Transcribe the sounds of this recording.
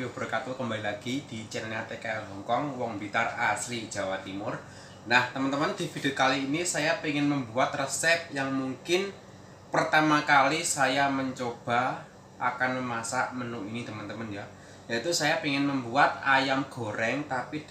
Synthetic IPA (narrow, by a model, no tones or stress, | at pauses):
job̥ərkat̪ukəmbalilaɡ̥id̪̥i̤t͡ʃənanat̪ekajaɦɔŋkɔŋwɔŋbit̪araslid̥ʒ̥a̤wat̪imʊr | naht̪əmənt̪əmənd̪̥i̤fid̪̥iokaliːnisajapiŋɪnməmbuat̪̚rəsɛp̚jaŋmuŋkɪn | pərt̪amakalisajaməɲt͡ʃob̥a̤ | ʔakanməmasaʔmənuʔinit̪əmənt̪əmənja | jait̪usajapiŋɪnməmbuat̪̚ajamɡ̥o̤ɾɛŋt̪apid